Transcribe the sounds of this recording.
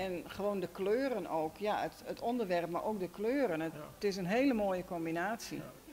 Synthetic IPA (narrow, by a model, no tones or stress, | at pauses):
ɛnχəʋoːndəkløːɾənoːkʰjaətətɔndərʋɛrp̚marʔoːk̚dəkløːɾəntɪs̬ənɦeːləmoːjəkɔmbinaːsḭ